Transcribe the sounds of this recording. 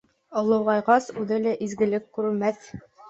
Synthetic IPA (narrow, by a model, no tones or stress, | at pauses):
ɒ̆wlˠɤ̆wʁɑjʁɑsʉðɘlæʔizɡɘ̆lɘkːʉɾɘ̆lmæθ